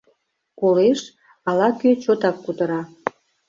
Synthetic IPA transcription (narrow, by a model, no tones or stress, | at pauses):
koleʃ | ɑlɑkøt͡ɕot̪ɑkːut̪əɾɑ